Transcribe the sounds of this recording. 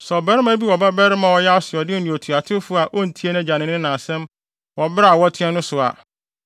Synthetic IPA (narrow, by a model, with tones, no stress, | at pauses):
sɔ˨bɛ˦ɾɪ˦mæ˦bi˦wɔ˨ba˦bɛ˦ɾɪ˦mã˨wɔ˦ja˦sɪ˨ɔ˨dɪ˦nʊ̃˨o˨tʰu˨a˨tʰɪ˦fʊ˦a˨ʔɔ˦n̩˨tʰi˦e˦nã˦˨d͡ʑa˨nɪ̃˨˦nɪ̃˦nã˨sɛ̃˦m | wɔ˨bɾa˨wɔ˦tʰɪ̃˦ɛ˦nʊ̃˦sʊ˨a̰˨